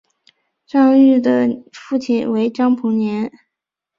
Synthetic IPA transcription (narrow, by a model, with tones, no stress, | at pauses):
ʈ͡ʂɑ˥˧ŋy˥˩d̪ə˩fu˥˩t͡ɕʰi˨˩nwe˧˥ɪʈ͡ʂɑ˥ŋpʰu˧˥ŋnjɛ˧˥n